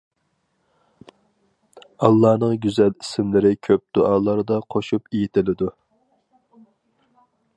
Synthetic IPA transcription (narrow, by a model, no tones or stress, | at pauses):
ɑlˠːɑːnɨŋɡʲyzɛlisɪmlɪɾɪkʲʰøp̚d̪̥uʔɑːlˠɑɾd̪ɑqʰoʃupejit̪ʰɪlɪd̪u